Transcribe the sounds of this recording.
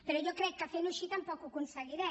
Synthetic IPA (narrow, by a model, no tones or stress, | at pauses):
peɾɔiɔkːɾɛkːafenuʃːiːt̪aumpɔːkokunsalːiɾɛ